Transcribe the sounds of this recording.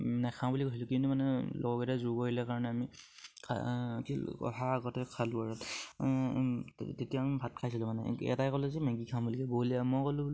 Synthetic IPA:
nɛkʰãbulikosilʊkintumanɛlɔ̰ɡɔkɛtazubɔɦilɛkaɹɔnɛami | kʰa̰kiɔ̰ɦaːɡɔtɛkʰaluaɹɔt | tetijambʱat̚kʰajsilɔmanɛ̰ɛ̰tajkɔlɛzɛmɛ̃ɡikʰabulikɛbouliamɔkɔlub

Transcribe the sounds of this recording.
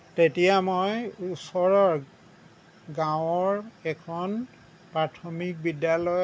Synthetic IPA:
tetijamojusɔɹɔɹ | ɡãwɔɹɛkʰɔn | pɹatʰɔmik̚bidjalɔj

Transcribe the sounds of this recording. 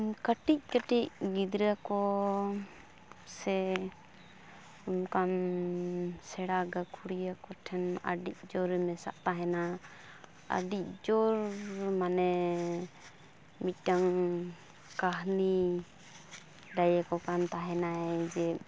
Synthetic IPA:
kəʈic̚kəʈic̚ɡid̪ɾakɔ | sɛ | umkam | sɛɽaɡakʰuɽijakɔʈʰɛna̰ɖic̚ˀd͡ʒɔɾɛmɛsa̰ʔt̪aɦɛna | ə̰ɖic̚d͡ʒɔɾmanɛ | mit̪̚ˀʈaŋ | kaɦni | ɖajakɔkant̪aɦɛnaɛd͡ʒɛ

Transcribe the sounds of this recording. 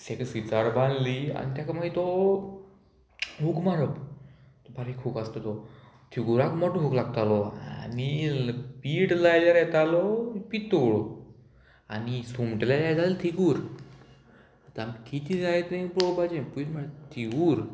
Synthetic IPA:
seksit͡saɽbãnlia̰nit̪jakamait̪ɔ | ɦukmaɽəp | t̪ɔbʱaɾikʰupast̪ot̪ɔ | t̪ʰiɡuɾakmɔʈɦuklaɡt̪alɔanipiːʈlajlaɾjɛt̪alɔpit̪oɭɔ | anisumʈlalajd͡zalelt̪ʰiɡuɾ | t̪amkit̪ʰid͡zaet̪nẽpɾobad͡ʑẽpulməɽt̪ʰiɡuːɾ

